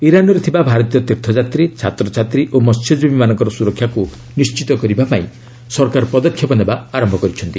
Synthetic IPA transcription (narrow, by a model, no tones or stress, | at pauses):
iɾanɔɾet̪ʰibabʱaɾɔt̪ijɔt̪ekt̪ʰɔd͡ʒat̪ɾit͡ʃʰat̪ɾɔt͡ʃʰat̪ɾiʔomɔst͡ʃʰɔdbʱbimanɔ̃ŋkɔɾɔsuɾɔkʰːjaku | nist͡ʃit̪ɔkɔɾibapaĩ | sɔɾkaɾɔpɾɔd̪ɔkʰjɔpɔnebaaɾɔmbʱɔkɔɾit͡ʃʰɔnt̪i